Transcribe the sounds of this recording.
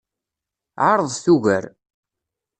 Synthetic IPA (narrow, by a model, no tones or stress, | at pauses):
ʕaɾˤəðˤθuʝə̰ɾ